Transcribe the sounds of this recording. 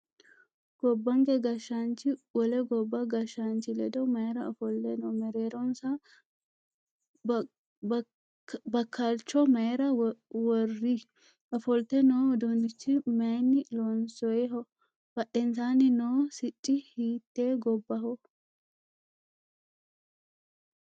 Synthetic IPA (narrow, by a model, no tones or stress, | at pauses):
ɡ̥ɔbːɐŋɡɛɡɐʃaːnt͡ʃːɪwɔlɛɡɔbːɐɡɐʃaːnt͡ʃɪlɛd̪ɔmɐɛɾɐɐfɔlt̪ɛnɔːmɛɾeːɾɔnsɐ | bɐkːalt͡ʃːɔmɐjɛɾɐwɔrːi | ʔɐfɔlt̪ɛnoːɔd̪ɔnɪt͡ʃːɪmɐjnːɪlɔnsɔɛɦɔ | b̥ɐʔɛnsaːnɪnoːsɪt͡ʃʼːɪhiːt̪ːe̞ːɡɔbːɐhɔ